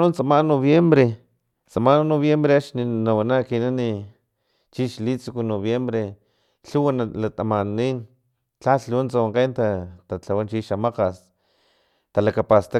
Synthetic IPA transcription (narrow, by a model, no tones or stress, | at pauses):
unt͡samanoβjembɾe | t͡samannoβjembɾeaʃninawanakinani | t͡ʃiʃlit͡sukunoβjembɾe | ɬuwanalat̪amaniːn | t͡ɬaɬunt͡sawaŋqent̪at̪at͡ɬawant͡ʃiʃamaqas | t̪alakapast̪a